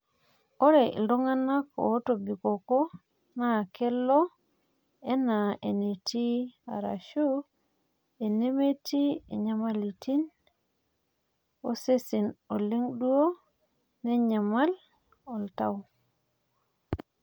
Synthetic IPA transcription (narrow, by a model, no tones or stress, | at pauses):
ɔɾɛ̰ldɔŋanːako̰tobikokɔ | nakʰɛlːɔ | ɛnaʔenetia̰ɾa̰ʃu | enemetiɛ̰ɲamalitin | osesinoliŋɗuwo | nɛɲamal | ɔltaw